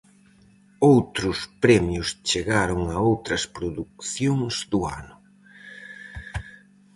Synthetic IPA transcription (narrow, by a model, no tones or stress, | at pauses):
owt̪ɾʊspɾɛmjʊst͡ʃeɣaɾʊŋɐowt̪ɾɐspɾoðuk̚θjoŋzd̪ʊa̰nʊ